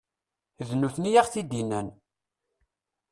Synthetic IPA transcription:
ðnuθnijaʁθid̪inːæn

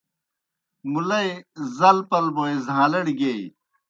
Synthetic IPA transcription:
mulɐjzɐlpɐlboẽzʱãːlɐɽiɡei

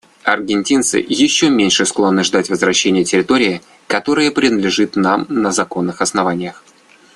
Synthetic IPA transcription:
ɐrɡʲɪnʲtʲint̪sɨ̰jɪɕːomʲenʲʂɨsklˠo̞nːɨʐd̪atʲvəzvɾɐɕːenʲɪjətʲɪɾʲɪt̪o̞ɾʲɪɪ | kɐt̪o̞ɾɨjəpɾʲɪnəd̪lʲɪʐɨt̪namnəzɐko̞nːɨxɐsnɐvanʲɪjəx

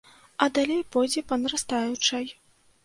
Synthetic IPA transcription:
ɐd̪alʲejpɔjd͡zʲɛpɐnɾast̪ajut͡ʂɐj

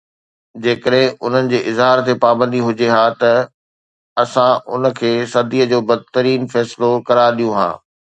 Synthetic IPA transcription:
d͡ʑeːkəɗɦɪ̃ʊn̤ənɪ̆d͡ʑeːʔɪzɦaːɾt̪epaːbə̃nd̪iɦʊd͡ʑeɦaːt̪ɐ | ɐsãʔʊ̰nə̆kʰeːsɐd̪iːəd͡ʑoːbɐd̪̚t̪əɾiːnfɛːsɪlokɐɾaːɾɗijũɦã̰ː

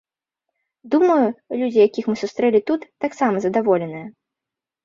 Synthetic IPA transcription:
d̪umɐjulʲud͡zʲijakʲixmɨsust̪ɾɛlʲit̪ut̪ːaksamɐzɐd̪avɔlʲɛnɨjɐ

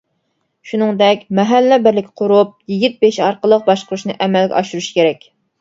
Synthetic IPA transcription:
ʃunɨŋd̪ɛkʲmɛɦælːɛbɪɾlɪkʲqʰʊɾup̚jiɡʲit̪̚beʃɑɾqəlˠəq̚bɑʃqʰʊɾuʃnɨʔɛmɛlɡʲɛ̰ʔɑʃuɾuʃkʲʰeɾɛkʲ

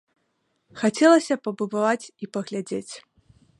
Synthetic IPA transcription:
xat͡sʲɛlˠɐsʲɐpɐbud̪avat͡sʲipɐɣlʲad͡zʲet͡sʲ

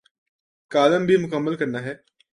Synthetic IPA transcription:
kaːləmbʱimʊkəmːəlkəɾnaːɦɛː

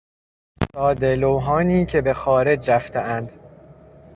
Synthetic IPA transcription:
sɒːd̪elowɦɒːniːcʰe̞bexɒːɾe̞d͡ʒɾæft̪ʰeʔænd̪̥

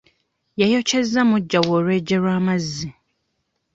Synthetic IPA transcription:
jajocʰɛzamʊ̃d͡ʒawoɾed͡ʒeɾamazi

